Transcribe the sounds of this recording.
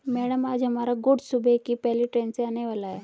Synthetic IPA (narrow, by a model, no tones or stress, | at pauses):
mɛːɽəmaːd͡ʒɦɐmaːɾaɡʊɽsubʱekipɛɦliʈɾẽːnseaːneʋaːlaɦɛː